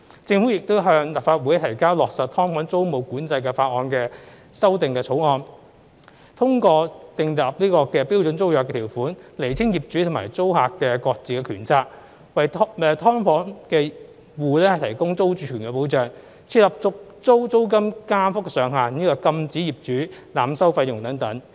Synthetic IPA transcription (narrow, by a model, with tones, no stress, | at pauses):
t͡sɪ˧ŋfu˨˥jɪ˨k̚t̪o˥wɦœː˧ŋlɐ˨˩p̚faː˧t̚wuː˨˥jt̪ʰɐ˨˩jkaː˥wlɔː˨k̚sɐ˨t̚t̪ʰɔː˥ŋfɔː˨˥ŋt͡so˥wmo˨˧wkuː˨˥nt͡sɐ˧jkɛː˧faː˧t̚ŋɔː˧nkɛː˧ | sɐ˥wt̪ɪ˨ŋkɛː˧t͡sʰo˨˥wŋɔː˧n | t̪ʰʊ˥ŋkɔː˧t̪ɪ˧ŋt̪a˨p̚niː˥kɔː˧kɛː˧pi˥wt͡sɵ˨˥nt͡so˥wjœː˨kɛ˧t̪ʰiː˨˩wfuː˨˥nle˨˩jt͡sʰɪ˥ŋjiː˨p̚t͡ʃyː˨˥t̪ʰʊ˨˩ma̰ː˨˩jt͡so˥whaː˨kkːɛː˧kɔː˧k̚t͡siː˨˩kɛ˧kʰy̰ː˨˩nt͡sʰaː˧k̚ | wɐ˨jtʰɛː˨˧t̪ʰɔː˥ŋfɔː˨˥nkɛː˧ | wuː˨lɛː˥hɐ˨jt̪ʰɐ˨˩jkʊ˥ŋt͡so˥wt͡ʃyː˨˩kʰyː˨˩nkɛ˧po˨˥wt͡ʃœː˨˩ŋ | t͡sʰiː˧t̚lɐ˨p̚t͡sʊ˥k̚t͡so˥wt͡so˥wk̬ɐ˥mkaː˥fʊ˥k̚sœː˨ŋɦaː˨niː˥kɔː˧kɐ˧mt͡siː˨˥jiː˨˩p̚t͡ʃyː˨˥laː˨msɐ˥wfɐ˧jjʊ˨˩ŋt̪ɐ˨˥ŋt̪ɐ˨˥ŋ